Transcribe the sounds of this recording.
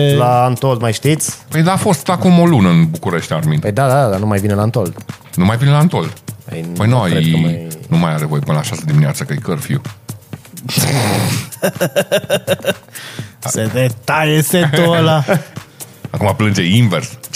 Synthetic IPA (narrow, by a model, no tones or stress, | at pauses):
laːnt̪old̪majʃt̪it̪sʲpəjd̪aːfo̞st̪akumo̞lunəɨnbukuɾeʃt̪ʲarminpəjd̪ad̪ad̪ad̪anumajvinelant̪old̪ | numajvinelant̪old̪ə̰jpəjnojjnumajaɾevo̞jepɨnəlaʃasəd̪iminea̰t̪səkəjkərfḭu | sed̪et̪ajesetola | akumaplɨnd͡ʒeinvers